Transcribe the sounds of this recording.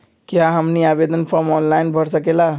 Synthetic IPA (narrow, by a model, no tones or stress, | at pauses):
kjaɦəmniabed̪ʱənpʰɔɾmɔnlajnbʱəɾsəkela